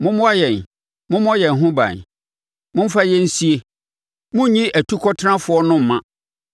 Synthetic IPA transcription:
mʊ̃˦mʊ̃˦a˦jɛ̃˨n | mʊ̃˦mʊ̃˦jɛ˨n˨ɦʊ̃˦bã̰˨n˨ | mʊ̃˦m̩˦fa˦jɛ˦n̩˦si˦e˦ | mʊ̃˦ɲĩ˦ʔæ˨tʰu˦kʰɔ˦tʰnã˦fʊ˨˦ɔ˦nʊ̃˦m̩˨mã̰˦

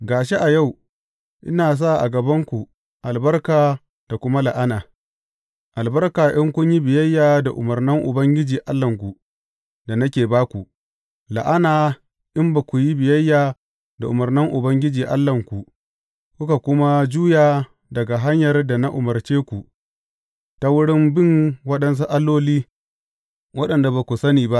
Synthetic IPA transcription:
ɡaː˨ʃe˦ʔa˨ja˦˨w | ʔɪ̰˦naː˨s̬a˦˨ʔa̰˨ɡɐ˨bɐ˦ŋkʷu˨ | ʔa˨lbɐ˦rkaː˨ | d̥a˨kʷʊ˦ma˦la˨ʔa˦naː˨ | ʔa˨lbɐ˦rkaː˨ʔɪ˦ŋkʷʊ˦ɲji˦bɪ˨jɐ˦jːaː˨da˨ʔʊ̰˨mɐ˨rnɪ˦ŋʔʊ̰˨bɐ˦ŋɡʲɪ˦d͡ʒiː˨ʔa̰˦lːɐ˨ŋkʷu˨ | da˨na˦kʲeː˨baː˦kʷu˨ʔ | la̰˨ʔa˦naː˨ | ʔɪ˦mba˨kʷu˨ji˦bɪ˨jɐ˦jːaː˨ | da˨ʔʊ˨mɐ˨rnɪ˦ŋʔʊ˨bɐ˦ŋɡʲɪ˦d͡ʒiː˨ʔa̰˦lːɐ˨ŋkʷu˨ʔ | kʷʊ˦ka˨kʷʊ˦ma˦d͡ʒuː˦jaː˨ | dɐ˨ɡa˨ɦa˦ɲjɐ˨rda˨na˦ʔʊ˨mɐ˨rt͡ʃeː˦kʷu˨ʔ | ta˦wʊ˦ɽɪ˦mbɪ˦˨ŋwɐ˦ɗɐ˦ns̬u˦ʔa˦lːoː˦liː˦ | wɐ˦ɗɐ˨nda˨baː˨kʷu˨sɐ˦niː˨ba˦ʔ

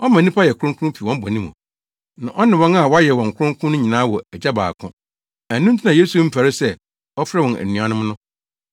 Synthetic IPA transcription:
ɔ˦mã˨nĩ˦pʰa˦jɛ˨kʊ˦ɾʊ̃˦kʰʊ˦ʊ̃˦pʰi˨wɔ̃˦m̩˦bɔ˨nĩ˦mṵ̃˨ | nã˨ʔɔ˦nɪ̃˨wɔ̃˦na˨wɔ˦a˦jɛ˨wɔ̃˨ŋ̩˨kʰʊ˦ʊ̃˦ŋkʰʊ̃˦nʊ̃˦ɲĩ˨nãː˦wɔ˨ɛ˨d͡ʑa˦ba̰ː˨kʰʊ̃˦ | æ˨nːũ˦n̩˦tʰi˦nã˨je˦su˨˦m̩˦fæ˨ɾɪ˦sɛ˦˨ | ɔ˦fɾɛ˦wɔ̃˨næ̰˨nũ˨a˨nʊ̃˦m˦nʊ̃˦

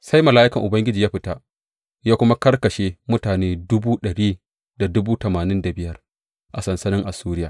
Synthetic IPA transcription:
sa˦jmɐ˨laː˦ʔɪ˦kɐ˨ŋʔʊ˨bɐ˦ŋɡʲɪ˦d͡ʒiː˨jaː˦ɸɪ˦ta˦ʔ | jaː˦kʷʊ˦ma˦kɐ˦rkɐ˨ʃeː˦mʊ˦taː˨neː˦dʊ˦buː˦ɗɐ˨ɽiː˦ | da˨dʊ˦buː˦tɐ˨maː˨nɪ˦nda˨bɪ˦jɐ˦r | ʔa˨sɐ˨nsɐ˦nɪ˦ŋʔa˨suː˦ɾɪ˦jaː˨

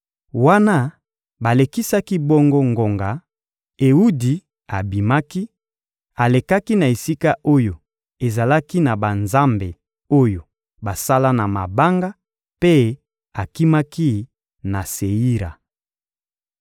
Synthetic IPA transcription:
wa˦na˦ | ba˨le˨ki˦sa˦ki˦bɔ˦ŋɡo˦ŋɡo˨ŋɡa˨ | e˨u˦di˨ | a˨bi˨ma˦ki˦ | a˨le˨ka˦ki˦na˨e˨si˦ka˦ʔo˦jo˨ | e˨za˨la˦ki˦na˨ba˨nza˦mbe˨ | o˦jo˨ | ba˨sa˦la˦na˨ma˨ba˦ŋɡa˦ | pe˦ | a˨ki˦ma˦ki˦ | na˨se˨i˦ɾa̰˨

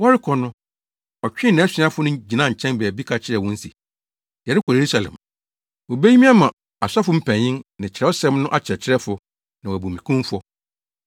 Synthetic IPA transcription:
wɔ˦ɾɪ˦kʰɔ˨nʊ̃˦ | ɔ˨t͡ɕᶣɪ̃˦nɪ̃˨˦ɛ˦sɪ̃˨˦a˦fʊ˦nʊ̃˦d͡ʑi˨nã˦˨t͡ɕʰɛ̃˦nbɛ˨bi˦kʰa˨t͡ɕʰɪ˦ɾɛ˨wɔ̃˦n̩˦si˨ | jɛ˨ɾɪ˦kʰɔ˨je˨ɾu˦sa˨lɛ̰̃˨m | wo˨be˦i˦mĩ˦a˦mã˨ | a˨sa˦fʊ˦m̩˦pʰæ̃˨ɲɪ̃˦nnɪ̃˨t͡ɕʰɪ˨ɾɛ˦ɔ˦sɛ̃˦mnʊ̃˦ʔa˦t͡ɕʰɪ˨ɛ˨t͡ɕʰɪ˦ɾɛ˦fʊ˨ | nã˨wæ˨bu˨mĩ˨kʰũ˦fɔ˦

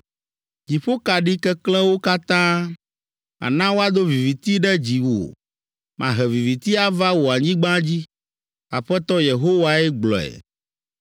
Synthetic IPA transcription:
d͡ʑi˨ɸo˦ka˨ɖi˦kɛ˦klɛ̃˦wo˦ka˦t̪ã˦ | a̰˨nã˦wo˦a˦d̪o˦vi˨vi˨t̪i˦ɖɛ˦d͡ʑi˨wo̰˨ | mʔã̰˨ɦɛ˨vi˨vi˨t̪i˦a˦va˦wo˨a˨ɲĩ˦ɡ͡bã˦d͡ʑi˦ | a˨ɸɛ˦t̪ɔ˦je˨ɦo˦wa˦ɛ˦ɡ͡blɔ˨ɛ̰˨

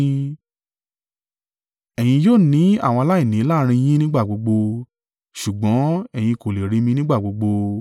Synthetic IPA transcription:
ɛ˨j̃ĩ˧joː˦˨nĩ˨˦a̰˦˨w̃ɔ̃˧la˦i˦˨nĩ˨˦la˦ɾ̃ĩ˧j̃ĩ˦nĩ˦ɡ͡ba˦˨ɡ͡bo˨˧ɡ͡bo˧ | ʃu˨ɡ͡bɔ̃˨˦ɛ˨j̃ĩ˧ko˨le˨ɾĩ˨˧mĩ˧nĩ˦ɡ͡ba˦˨ɡ͡bo˨˧ɡ͡bo˧

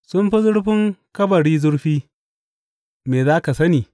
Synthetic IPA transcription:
sʊ˦mɸɐ˦zʊ˦ɽɸɪ˦ŋkɐ˦bɐ˨ɽiː˦zʊ˦ɽɸiː˦ | meː˨zaː˦ka˨sɐ˦niː˨

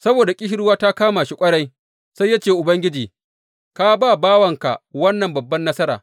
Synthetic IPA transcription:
sɐ˦boː˨da˨kʲʼɪ˦hɪ˦ɽʊ˦waː˦ta˦kaː˦maː˨ʃi˦kʷʼɐ˦ɽɐ˦j | sa˦jːa˦t͡ʃeː˨ʔʊ˨bɐ˦ŋɡʲɪ˦d͡ʒiː˨ | ka˦baː˦˨baː˦wɐ˨ŋka̰˨wɐ˦nːɐ˨mbɐ˨bːɐ˦nːɐ˦sɐ˦ɾa̰ː˨

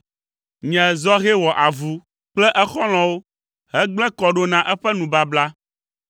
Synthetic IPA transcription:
ɲɛ̃˨zɔ˦ɣɛ˦wɔ˨ʔa˨vu˦ | k͡plɛ˦ʔɛ˦xɔ˦l̃ɔ̃˨wo˦ | ɦɛ˦ɡ͡blɛ̃˦kɔ˨ɖo˦nã˨ʔɛ˦ɸɛ˦nũ˨ba˦bla˦

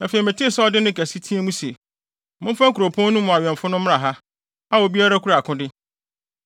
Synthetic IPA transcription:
nã˨fe˨i˨mæ̃˨tʰi˦˨sɛ˦ɔ˦dɪ˦nɪ̃˦kæ˨si˦tʰĩ˦e˦mũ˦si˨e˨ | mʊ̃˦m˦fã˦ŋ˦kʰu˨ɾo˨pʰɔ̃˦nũ˦mʊ̃˨a˨ɥɛ̃˨ɱ˨fʊ˦nʊ̃˦m˦a˨ɦa˦ | a˦wɔ˨bi˦a˦ɾa˦kʰu˦ɾa˨kʰʊ̃˦dɪ˦

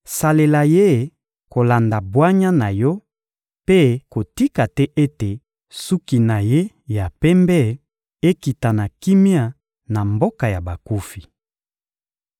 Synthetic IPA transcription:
sa˨le˨la˨je˦˨ | ko˨la˨nda˨bwa˦ɲa˦na˨jɔ˦ | pe˦ko˨ti˦ka˨tɛ˦ʔe˦te˨ | su˦ki˨na˨je˦ | ja˨pɛ˦mbɛ˦ | e˦ki˨ta˨na˨ki˦mja˦ | na˨mbo˦ka˨ja˨ba˨ku˦fi˨

